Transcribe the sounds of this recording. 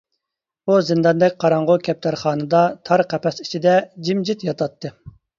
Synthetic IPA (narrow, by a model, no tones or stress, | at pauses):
uzɪnd̪ɑnd̪ɛkʲqʰɑɾɑɴʁʊkʲʰɛp̚t̪ʰæɾχɑːnɨd̪ɑt̪ʰɑɾqʰæpɛsi̥t͡ʃʰid̪ɛd͡ʒimd͡ʒit̪jɑt̪ʰɑt̪ʰːɨ